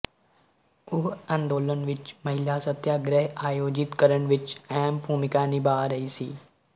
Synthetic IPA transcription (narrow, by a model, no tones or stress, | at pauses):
ʊɦãːnd̪oːlənʋɪt͡ʃməɦɪlaːsət̪jaːɡɾɛɦaːjoːd͡ʒɪt̪kəɾəɳʋɪt͡ʃɛːmbʱuːmɪkaːnibaːɾəiːsḭː